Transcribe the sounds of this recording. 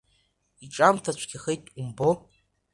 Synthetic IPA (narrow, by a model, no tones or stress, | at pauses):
iʈ͡ʂʼamtʰat͡ʃʷʰɡʲɪχejtʼumbo